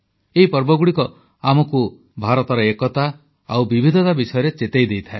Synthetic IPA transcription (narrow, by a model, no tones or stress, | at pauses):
eɦipɔɾbɔɡuɽikɔ | amɔku | bʱaɾɔt̪ɔɾɔekɔt̪a | awbibʱid̪ʱɔt̪abisɔjɔɾet͡ʃet̪ejd̪ejt̪ʰae